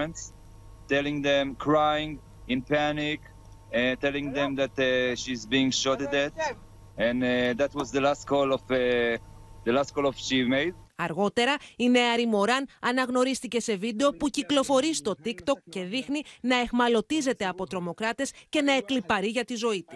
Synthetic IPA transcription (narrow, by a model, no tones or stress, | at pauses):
nts | tɛlĩŋd̪ɛ̃mkʰɹajɪ̃ŋ | ɪ̃npænɪk | tɛlĩŋd̪ɛ̃mðæt̪ʃizbiɪ̃ŋʃɔtəd̪ɛt | ɛ̃nd̪æt̪wɔzðəlast̚kʰɔlɔf | d̪əlast̚kɔlɔv̥ʃimeɪdɐɾɣo̞t̪e̞ɾɐine̞ɐɾimo̞ɾɐnɐnɐɣno̞ɾist̪ice̞se̞vid̪e̞o̞puciklo̞fo̞ɾist̪o̞t̪ikt̪o̞kcːe̞ðixninɐe̞xmɐlo̞t̪ize̞t̪e̞ɐpo̞t̪ɾo̞mo̞kɾɐt̪e̞sce̞nɐe̞klipɐɾiʝɐt̪izo̞it̪u̥s